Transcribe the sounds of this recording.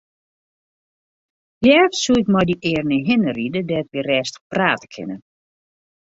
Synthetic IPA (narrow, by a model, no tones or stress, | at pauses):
jɛːfsuɪkmɔjdiʔɪːrnəɦɪnəridədɛtʋirɛːstə̥praːtə̥kʰɪ̰nə